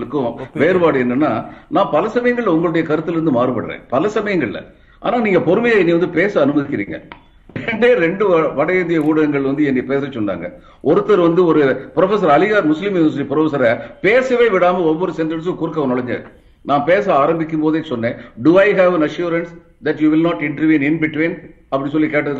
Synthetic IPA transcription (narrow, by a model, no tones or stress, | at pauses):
ɭɯkːʊ̃ʋeːɾɯʋaːɽɯɛnːɐnːa̰ːnãːpɐlɐsɐmɐjɐŋɡɐɭlɐʊŋɡɐɭʊɽɐjɐkɐɾɯt̪ːɯlɾɯnd̪ɯmaːɾɯpɐɽɾḛ̃ːpɐlɐsɐmɐjɐŋɡɐɭɪ̰lɐ̰ | ʔa̰ːnaːniːŋɡɐpɔɾɯmɐjaɛnːiʋɐnd̪ɯpeːsɐɐnɯmɐðɪkʲːɪɾḭːŋɡɐ̰ | ɛɳɖeːɾɛɳɖɯʋɐɽɐjɐːnd̪ɪjɐuːɽɐɐŋɡɐɭʋɐnd̪ɯɛnːɪpeːsɐt͡ʃːɔnːa̰ːŋɡɐ | ʔɔɾɯt̪ːɐɾʋɐnd̪ɯɔɾɯpɪɾɔfɛs̬ɐɾɐlɪjaːɾmʊslɪmʊʋɐs̬ɪʈipɪɾɔfɐs̬ɐɾɐpeːsɐʋeːʋɪɽaːmɐɔʋʋɔɾɯsɛndɐns̬ɯkʊɾɯkːɐʋɐnɔɭɐɲd͡ʒɐ̰ɾ | nãːpeːsɐaːɾɐmbɪk̬ʲːɯmpoːðeːsɔnːẽːɖuɐɪɦɐːʋɐnɐʂjuːɾɐns | d̪ɐʈjuːʋɪlnaːʈɪɳʈɐɾʋiːnɪnbɪʈʋin | ɐpːɐɽis̬ɔlːikeːʈːɐðɯkː